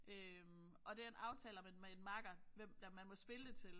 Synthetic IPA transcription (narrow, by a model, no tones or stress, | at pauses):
øm | ʔɒ̽d̥e̝æɐe̝nɑ̈ʊt͡sʰɛ̰ːlɐmemeenmɑ̈ɡ̥ɐʋemd̥æmænmɒ̽sb̥e̝ləd̥e̝t͡sʰe̝l